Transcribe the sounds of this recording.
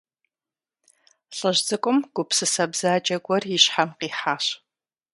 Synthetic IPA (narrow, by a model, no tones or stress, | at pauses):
ɬʼɐʑzɨkʷʼʊmɡ̥ʷʊpsɨsɐbzaːd͡ʒʼɐɡʷɔrjiɕħamqiːħaːɕ